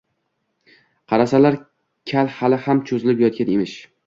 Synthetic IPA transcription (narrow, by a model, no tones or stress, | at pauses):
qʰɑɾasalaɾ | kʲʰalhalɪhamt͡ʃʰozɪlɪpjɒt̪̚kʲanemɪʃ